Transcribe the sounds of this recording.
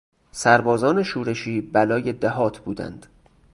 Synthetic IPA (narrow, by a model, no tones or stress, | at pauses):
sæɾbɒːzɒːne̞ʃuːɾe̞ʃiːbælɒːje̞d̪æɦɒːt̪ʰbuːd̪æ̰nd̪̥